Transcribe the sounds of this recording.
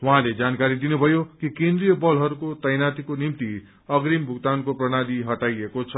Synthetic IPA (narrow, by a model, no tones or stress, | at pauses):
wʌɦãled͡zankaɾid̪inubʱʌjokikẽnd̪ɾijʌbʌlɦʌɾukot̪ʌjnat̪ikonimt̪i | ʌɡɾimbʱukt̪ankoprʌɽ̃aliɦʌʈajekot͡sʰʌ